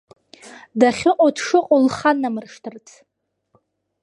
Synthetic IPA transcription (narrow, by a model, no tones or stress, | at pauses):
daχʲɪqʼodʰʂɨqʼolχanːamɨrʂtʰɨrt͡sʰ